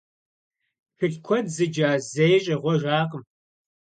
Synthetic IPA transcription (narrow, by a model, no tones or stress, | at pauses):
xɨɬkʷʰɔdzɨd͡ʒaːzejɕʼɐʁʷɔʒaːqəm